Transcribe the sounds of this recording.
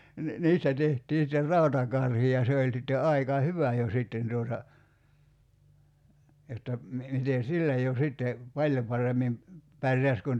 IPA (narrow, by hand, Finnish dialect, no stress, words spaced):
ni niːstæ tehtiː sĭter rɑˑutɑkɑrhi jɑ se olʲ sitːe ɑikɑ hyʋæ jo sitːen tuotɑ jotːɑ mi mite silːæ jo sitːe pɑlʲjo pɑremːim pærjæs kun